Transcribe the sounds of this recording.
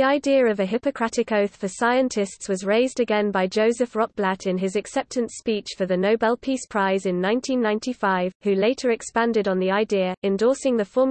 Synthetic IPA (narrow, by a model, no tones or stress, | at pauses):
iaɪdiəɹəvəɦɪpəkʰɹ̥atɪkəʊθfəsaɪə̃ntʰɪstswɒzɹeɪzdəɡɛ̃nbaɪd͡ʒəʊzəfɹɒk̚b̥latʰɪ̃nɪzɨksɛp̚tʰə̃ntspiˑt͡ʃfəðənəʊbɛlˠpʰiˑspʰɹ̥aɪzɪ̃nːãɪ̃ntʰĩnːãɪ̃ntʰifaɪv̥hʉleɪtʰəɹɛkspãndɪɾn̩ðiaɪdiəɹɛ̃ndɔˑsɪ̃ŋðəfɔː